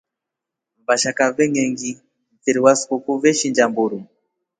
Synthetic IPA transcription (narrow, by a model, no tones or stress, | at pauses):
mbaʃakavɛŋɛŋɡi | mviɾiwasu̥kukuvɛʃiɲd͡ʒambuɾu